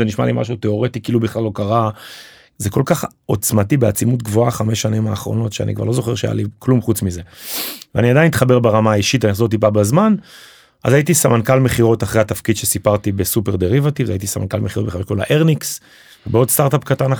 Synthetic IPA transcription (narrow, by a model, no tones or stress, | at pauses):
eniʃma̰limʔa̰ʃut̪e̞o̞ʁet̪ikiːlubiχlalo̞kaʁa | zeko̞lkaχ | o̞t͡smatibeat͡simut̪̬ɡvoaχameʃːanimaːχʁo̞̰no̞tʃea̰nʔikva̰ʁlozo̞χe̞ʁʃea̰ja̰liklumχut͡smize̞veaniad̪ajnitχabe̞ʁbeʁamaːiʃitanizot̪̬ip̬abazman | ʔa̰zait̪isamankalme̞χiʁo̞taχʁehat̪afkid̪ʃesipaʁt̪ibesupe̞ʁd̪eʁivat̪ivza̰it̪̬isama̰nka̰lmeχiɣot̚beχakola̰ʔeʁniks | vebeo̞dst̪aʁt̪apkatan